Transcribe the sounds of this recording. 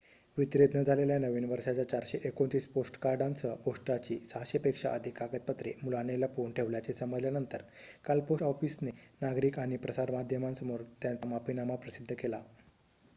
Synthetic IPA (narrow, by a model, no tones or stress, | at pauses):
ʋit̪ɾed̪ʱnəd͡zʱaleljanəʋiːnʋəɾʂat͡ɕjat͡ɕaɾɕeʔekont̪iːsposʈkaɾɖant͡səɡoʂʈɾat͡ɕisəɦaɕepekʂa̰ʔəd̪ʱikːakət̪̚pət̪ɾemulanelapuɳʈʰeʋljat͡sesəməd͡zljanənt̪əɾkalpoɔfisnenaɡɾiːkaɽ̃ipɾəsaɾmad̪ʱjəmãnsəmoɾt̪jant͡samapinamapɾəsid̪ʱːəkela